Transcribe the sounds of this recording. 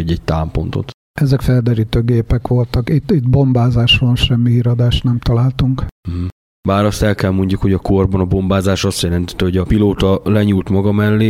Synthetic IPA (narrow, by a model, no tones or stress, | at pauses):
ɟɛc̚t̪aːmpo̞̰nt̪o̰t̪ | ɛzɛkfɛld̪ɛɾiːt̪øːɡeːpɛkʋo̞lt̪ɒkit̪it̪bo̞mbaːzaːʃronʃɛmːiɦiɾɒd̪aːʃt̪nɛmt̪ɒlaːlt̪uŋkm̩ɦ̩ | baːɾɒst̪ɛlkɛlmo̞ɲɟukho̞ɟɒko̞rbɒnɒbo̞mbaːzaːʃɒst̪jɛlɛnt̪ɛ̥t̪ːɛho̞ɟɒpiloːt̪ɒlɛɲuːlt̪mɒɡɒmɛlːeː